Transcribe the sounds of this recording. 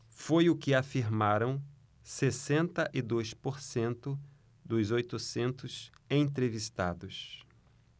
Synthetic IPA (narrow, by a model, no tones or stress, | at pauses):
fojʊkɪafiɾmaɾɐ̃w̃ | sesẽnt̪ɐʔɪd̪ojspoɾsẽnt̪ʊ | d̪ʊzojt̪ʊsẽnt̪ʊsẽj̃t̪ɾevist̪ad̪ʊs